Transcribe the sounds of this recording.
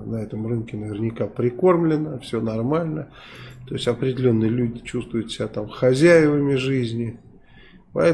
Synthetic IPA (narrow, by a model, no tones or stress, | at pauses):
nəɛt̪əmrɨnkʲɪnəvʲɪrnʲɪkapɾʲɪko̞rmlʲɪnəfsʲonɐrmalʲnə | t̪o̞ɪsʲɐpɾʲɪdʲɪlʲo̞nːɨjəlʲudʲɪt͡ɕust̪vʊjʊt̪sʲɪbʲat̪amxɐzʲæjɪvəmʲɪʐɨzʲnʲɪ | pɐɛ